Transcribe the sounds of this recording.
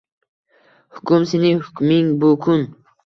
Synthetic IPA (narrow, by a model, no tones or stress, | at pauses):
hu̥kumsinihukmiŋbukʰun